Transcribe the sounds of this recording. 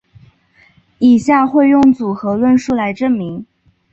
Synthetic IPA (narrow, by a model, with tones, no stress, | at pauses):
i˨˩ɕja˥˧xwe˥˧ɪjʊ˥˩ŋt͡su˨˩xɤ˧˥lwə˥˧nʂu˥˩la˧˥ɪʈ͡ʂɤ˥˩ŋmi˧˥ŋ